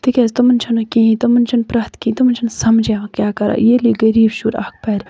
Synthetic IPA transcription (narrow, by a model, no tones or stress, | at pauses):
t̪ikʲeːzt̪ɐmɐnt͡ʃʰɐnokʲĩːĩt̪ɐmɐnt͡ʃʰɐnpɾaːt̪kĩːt̪ɐmɐnt͡ʃʰɐnsɐmd͡ʒeːakjaːkɐɾa̰ːjeːliɡɐɾiːbʃuːɾa̰ːk̚pɛːɾ